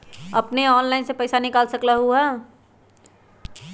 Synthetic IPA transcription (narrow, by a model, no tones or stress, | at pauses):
əpneɔːnlaɪnsepəɪsanɪkaːlsəklaɦuɦɛ